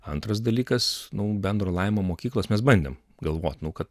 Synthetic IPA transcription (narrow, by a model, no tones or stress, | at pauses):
ɐnt̪ɾɐs̬d̪ɐlʲiːkɐsnʊbʲɛnd̪ɾoːlˠɐɪʋmoːmoːkʲiːklˠoːsmʲɛs̬bɐnʲd̪ʲḛm | ɡɐlˠʋoːt̪nʊkɐt̪